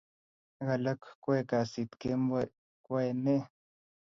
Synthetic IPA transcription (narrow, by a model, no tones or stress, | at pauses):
ɣalakʷkʷekasit̪kema | kwene